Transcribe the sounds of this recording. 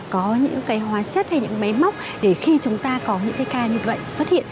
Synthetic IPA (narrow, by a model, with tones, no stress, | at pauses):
kɔ˨˦ɲɨ̰˧˥ŋkaː˨˦jɦwaː˨˦t͡ɕə˦˥t̚ha˧jɲɨ̰˧˥ma˨˦jma˦˥wk͡p̚ | ɗe˧˩xi˧t͡ɕʊ˨˦ŋ͡mt̪aː˧kɔ˨˦ɲɨ̰˧˥ŋkaː˨˦jkaː˧ɲɨ˧və̰˧˨jswə˦˥t̚hḭ˧˨ən